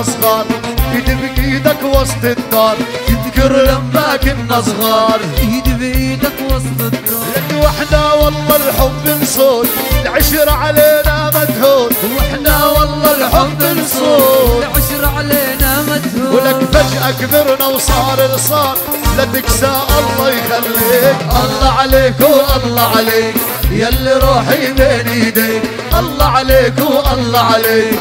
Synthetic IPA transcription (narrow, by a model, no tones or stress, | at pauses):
sˤɣɑːɾˤ | ɪd̪ɪbʔiːd̪akwɑsˤt̪ˤɨd̪ːɑːɾˤjɪðkɪɾamːaːkɪnʔasˤɣɑːɾˤhɪd̪bʔiːd̪akwɑst̪ˤd̪ | ʔanːwaħd̪awɑlːɑlħʊmbːɪnsˤoːt̪ | lʕɪʃɾʕaleːnamad̪huːt̪waħd̪awɑlːɑlħʊmːɪsˤoʃɾʕaleːnamd̪hwɪlakfad͡ʒʔakdɪɾnawsˤɑːɾɪlsˤɑːn | lat̪ɪksaːʔɑlˤːɑjxalːikʔɑlːɑʕaleːkwʔɑlˤːɑʕaleːk | jalːiɾˤuːħijbeːnihd̪eːk | ʔɑlˤːɑʕaleːkwʔɑlːɑʕaleːk